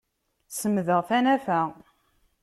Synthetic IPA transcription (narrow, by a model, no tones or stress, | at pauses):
səmðəʁθænæfæ